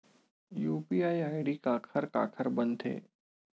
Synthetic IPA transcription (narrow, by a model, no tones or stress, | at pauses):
juːpiːaːiaːɪɖikaːkʰəɾka̰ːkʰəɾbɐ̃nd̪ʰḛː